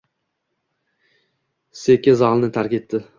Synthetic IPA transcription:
sekʲːɪzɑlˠnɪt̪ʰaɾkʲet̪ːɪ

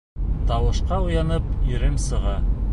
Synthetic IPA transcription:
t̪ɑwɤ̆ʃqɑujɑnɤpiɾɘmsɤ̆ʁɑ

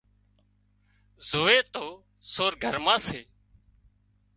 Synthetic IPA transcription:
zoːʋeːt̪oː | soːɾɡʱəɾmãːseː

